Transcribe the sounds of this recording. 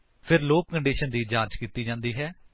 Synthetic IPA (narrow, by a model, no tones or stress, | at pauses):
pʰɪɾloːkkəɳɖiːʃənd̪iːd͡ʒaːt͡ʃkiːt̪iːd͡ʒãːnd̪iːɦɛː